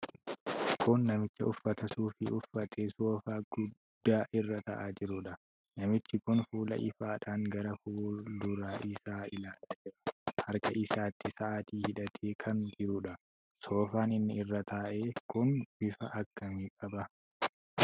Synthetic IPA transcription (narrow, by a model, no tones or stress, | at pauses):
kʊnːɐmɪt͡ʃːɐʊfːɐt̪ɐsuːfɪʊfːɐt̪ʰeːsoːfaːɡ̥ʊd̪̥ːaːʔɪrːɐt̪ɐʔaːd͡ʒɪɾʊᶑɐ | nɐmɪt͡ʃːɪkʊnfuːlɐ̰ʔɪ̰faːᶑaːŋɡɐɾɐfuːlʊɾaːʔɪsaːɪlaːlaːd͡ʒɪɾɐ̥hɐɾkɐʔɪsaːt̪ʰːɪsɐʔaːt̪iːhɪᶑɐt̪ʰeːkʰɐnd͡ʒɪɾuᶑɐ | so̞ːfaːnɪnːɪɪrːɐt̪ʰaːʔe̞ːkʊnb̥ɪfɐʔɐkːɐmiːkʼɐbɐ